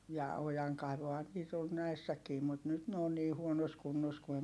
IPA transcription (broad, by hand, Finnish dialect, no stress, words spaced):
jɑ ojɑŋkɑiʋohɑn nyt on næisːækiː mut nyt ne on niː huonos kunːos ku em